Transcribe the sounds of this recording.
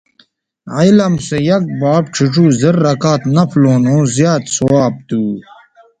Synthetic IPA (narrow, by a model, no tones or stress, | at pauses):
ailɐmsejɐk̚baːb̚ʈ͡ʂʰiʈ͡ʂuːziɾːɐkaːt̪nɐploːnoːzjaːt̪sowaːb̚t̪uː